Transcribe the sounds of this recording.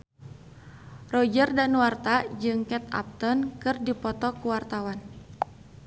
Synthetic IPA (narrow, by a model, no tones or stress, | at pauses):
rɔd͡ʒərdanwart̪ad͡ʒɨŋkɛt̪a̰p̚t̪ɔnkɨrdipɔt̪ɔkuwart̪awan